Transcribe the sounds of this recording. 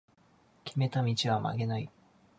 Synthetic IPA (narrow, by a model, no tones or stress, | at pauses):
kʲime̞t̪amʲit͡ɕiβama̰ɡe̞nai